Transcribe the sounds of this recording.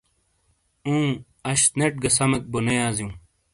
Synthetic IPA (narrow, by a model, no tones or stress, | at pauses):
ũː | ɐɕt̪neʈ̚ɡɐsɐmɐk̚bonejaːziũː